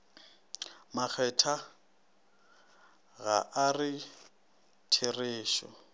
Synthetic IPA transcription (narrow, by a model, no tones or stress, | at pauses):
mak͡xʰɛtʰa | ɣa̰ʔarɪ | tʰɪreːʃɔ̰